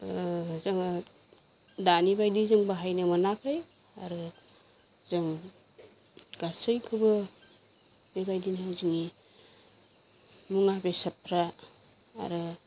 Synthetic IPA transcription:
zɯŋ | danibajdizɯŋbaɦajnɯmanakʰɯj | aɾɯ | zɯŋ | ɡ̥asɯjkʰɯbɯ | mibajdinawziŋi | muŋabesɐp̚ʰɾa | a̰ɾɯ

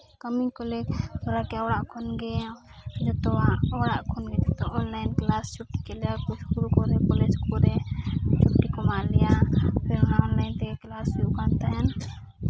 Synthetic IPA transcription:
kəmikɔlɛk̪ɔɾakɛawɽaʔkʰɔnɡɛd͡ʒɔt̪ɔwaɔwɽaʔkʰɔnɡɛt̪ɛt̪ɔʔɔnlajnklast͡ʃup̚ʈi̥kɛlɛjakut͡ʃʰkuɾukɔɾɛpɔleskɔɾɛt͡ʃʰup̚ʈikɔmalɛjapʰɛɾɔnaɔnlajnt̪ɛklasijuʔkant̪aɦɛn

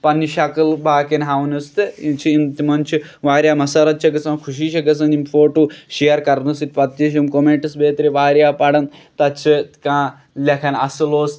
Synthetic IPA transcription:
pɐnːiʃɐkɨlbaːkenɦaʋnɨst̪ɨit͡ʃʰiint̪imɐnt͡ʃʰiʋaːɾjaːmɐsɐɾɐt̪̚t͡ʃʰɐɡɐsɐmkʰuʃ̬iːʃɐɡɐs̬ɐnimfoːʈuʃejɐɾkɐɾnɨsit̪̚ʲpɐt̪ːjiʃ̬imkomeɳʈɨsbeːt̪ɾiʋaːɾjaːpɐɽɐnt̪ɐt͡ʃʰɨkãː | lʲɐkʰɐnɐ̰sɨloːs

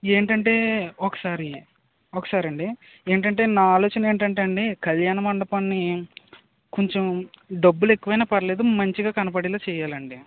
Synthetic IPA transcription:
e̞ːɳʈɐɳʈe̞ːokɐ̥saːɾi | okɐ̥saːɾɐɳɖi | eːɳʈ̬ɐɳʈe̞ːnaːaːloːt͡ʃɐnɐe̞ːɳʈ̬ɐɳʈːɐɳɖikɐljaːnɐmɐɳɖɐpɐnːi | koɲt͡ʃemɖɐbːule̞kːuʋɐjnaːpɐɾɐle̞ːd̪umɐɲt͡ʃiɡaːkɐnɐpɐɽiloːt͡ʃɛːjaːlɐɳɖi

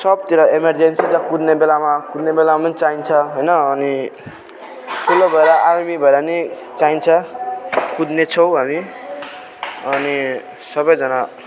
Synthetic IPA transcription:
sʌb̚t̪iɾʌemerd͡zensid͡zakud̪nebelamakud̪nebelamamʌnit͡saint͡sʰʌɦojnʌːni | t̪ulːobʱʌeɾʌʔarmibʱʌeɾʌni | t͡saint͡sʰʌ | kud̪net͡sʰʌw̃ɦami | ʌni | sʌbʌjd͡zʌna

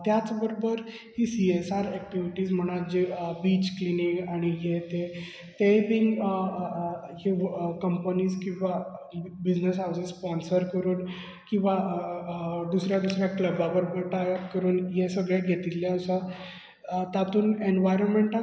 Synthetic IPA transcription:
t̪jat͡sbəɾobəɾ | hisiesaɾɛk̚ʈiʋiʈiːsm̤əɽ̃ad͡ʑebit͡ɕklinikaɽ̃ijet̪e | t̪ebiŋɡ | ɦekəmpəniːskĩw̃ʋabid͡ʑnəsɦawsisspɔnsəɾkəɾuːn | kĩw̃ʋa | d̪usɾjad̪usɾjakləbabəɾobəɾʈakəɾuːnjesəɡɭjaɡʱet̪ilːjaəsa | t̪at̪uːnenʋajɾənmeɳʈa

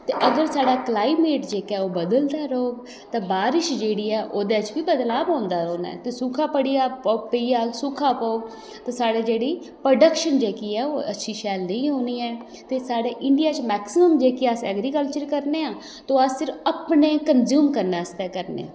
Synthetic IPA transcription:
t̪eːʔəɡəɾsaːɖaːklaːimeːʈd͡ʒeːkɛːoːbəd̪əld̪aːɾoːɡ | t̪ãːbaːɾɪʃd͡ʒeːɽiːɛːʔoːd̪eːt͡ʃbiːbəd̪laːbãːnd̪aːɾoːnɛ̰ːt̪eːsukʰaːpəɽiːaːpːpəiːaːlsukʰaːpoːɡ | t̪ãːsaːɽeːd͡ʒeːɽiː | pɾoɖəkʃənd͡ʒeːkiːɛːoːə̰tːʃʰiːʃɛːlnəĩːɦoːniːɛː | t̪eːsaːɽeːʔɪɳɖijaːt͡ʃmɛːksɪməmd͡ʒeːkiːasɛːɡɾiːkəlt͡ʃəɾkəɾneːãː | t̪õːasɪɾəpneːkənzjuːmkəɾnaːəst̪ɛːkəɾnḛ̃ː

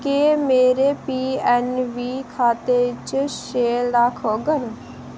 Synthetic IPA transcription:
keːmeːɾeːpiːɛnʋiːkʰaːt̪et͡ʃʃeːɾakʰoːɡən

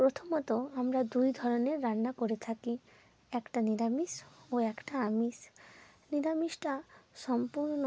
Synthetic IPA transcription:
pɾot̪ʰomɔt̪oamɾad̪ujd̪ʱɔɾoneɾːanːakoɾet̪ʰaki | ɛkʈaniɾamisoɛkʈaamis | niɾamiʃʈaʃɔmpuɾno

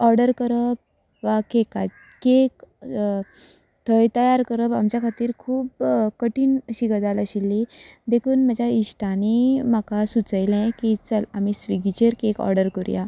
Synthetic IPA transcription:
ɔɾɖəɾkəɾəp̚ | ʋakeka | kek | t̪ʰəjt̪əjaɾkəɾəpa̰mt͡ɕjakʰat̪iːɾkʰuːpkəʈiːnɕiɡəd͡z̪aləɕilːid̪ekʰuːnməd͡ʑʱjaiɕʈaniməkasut͡səjlɛ̃kit͡səlamisʋiɡit͡ɕəɾkekɔ̰ɾɖəɾkuɾja̰

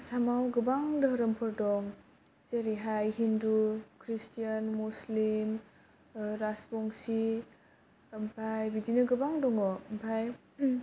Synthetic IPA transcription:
samawɡɯbaŋdɯɾɐmpʰɔɾdɔŋ | zeɾiɦajhindukʰɾistijanmuslim | ɾaspɔŋsi | mpʰajbidinɯɡɯbaŋdɔŋɔmpʰaj

